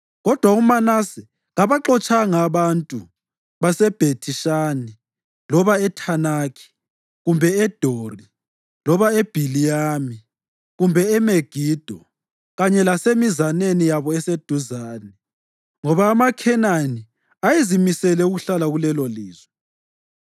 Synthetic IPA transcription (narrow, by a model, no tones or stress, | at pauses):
ɣɔd̥ʱwaumanasɛ | ɣaβaǁɔt͡ʃʼaŋaβantʼu | βasɛb̥ʱetʰiʃaːni | lɔβaɛtʰanaːkʰi̥ | ɣumbʱɛɛd̥ʱori | lɔβaeb̥ʱilijaːmi | ɣumbʱɛɛmeɡ̥ʱid̥ʱɔ | ɣaɲɛlasemizanenijaβɔɛsed̥ʱuzaːnɛ | ŋɔβaːmakʰɛnani | ajizimisɛlɛuɣuɬalaɣulɛlɔliːzwɛ